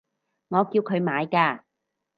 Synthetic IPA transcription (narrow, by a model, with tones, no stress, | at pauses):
ŋɔː˨˧kiː˧wkʰɵ˨˧ɥmaː˨˧jkaː˧